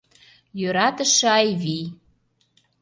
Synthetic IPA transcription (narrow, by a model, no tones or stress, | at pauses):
jøɾɑt̪ə̆ʃĕɑjβi